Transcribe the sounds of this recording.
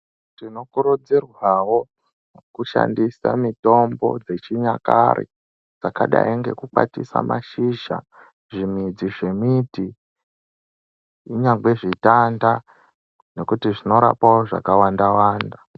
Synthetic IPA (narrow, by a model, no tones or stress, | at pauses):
tino̞kuɾud͡zirwawo̞ | kuʃa̰ndisa̰mito̞mbo̞̰d͡ze̞t͡ʃiɲaka̰ɾḭ | d͡zakaɗa̰iŋɡe̞̰kuk͡pa̰tisa̰mʔa̰ʃiʒa̰ | ʐimid͡ziʐe̞miti | ɲaŋɡe̞ʐitanda | ne̞kutiʐino̞ɾa̰pawoʐa̰kawandawaːnda